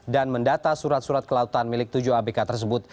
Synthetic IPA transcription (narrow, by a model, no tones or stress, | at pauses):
danməndat̪asuɾat̪̚suɾat̪̚kəlaut̪anmilɪk̚t̪ud͡ʒuabekat̪ərs̬əbʊt̪̚